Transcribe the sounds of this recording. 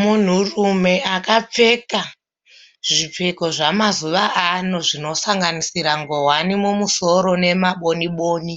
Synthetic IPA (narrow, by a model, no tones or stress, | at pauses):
mun̤urume̞akap͡fe̞ka | ʐip͡feko̞ʐamazuʋaanoʐino̞saŋɡanisiɾaŋɡo̞wanimumuso̞ɾo̞ne̞maɓo̞niɓoːni